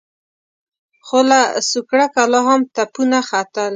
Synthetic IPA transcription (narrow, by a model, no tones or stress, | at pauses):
xolasukɽakaloɦamt̪apunaxat̪əl